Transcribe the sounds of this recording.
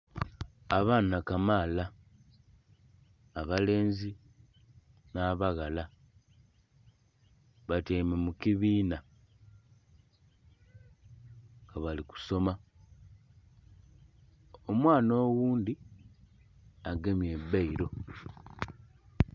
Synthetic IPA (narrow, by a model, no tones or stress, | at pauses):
aβaːnakamaːla | βale̞ːnzi | naːβaɣala | βateːmemukiβiːna | ŋŋɡaβaliku̥so̞ma | omwaːno̞ːɣuːndi | aɡemje̞bːaiɾo̞